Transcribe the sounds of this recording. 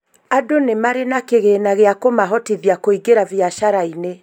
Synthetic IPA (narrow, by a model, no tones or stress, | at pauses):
adonemaɾenakeɣeːnaɣeakomaɦɔtiðjakoiɡeɾavjaʃaɾaine